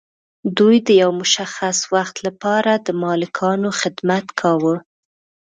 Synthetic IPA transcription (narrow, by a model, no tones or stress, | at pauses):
d̪ujd̪əjawmʊʃaxaswaxt̪lapɑɾad̪əmɑlɪkʰɑnoxɪd̪mat̪kʰɑwə